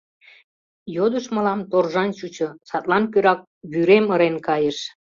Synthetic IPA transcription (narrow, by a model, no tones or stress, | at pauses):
jod̪əʃməlɑmt̪orʒɑnt͡ɕut͡ɕŏsɑt̪lɑnkøɾɑk̚ | βyɾeməɾenkɑjəʃ